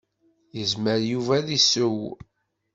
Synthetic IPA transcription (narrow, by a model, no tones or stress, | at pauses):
jəzməɾjuvæðisəw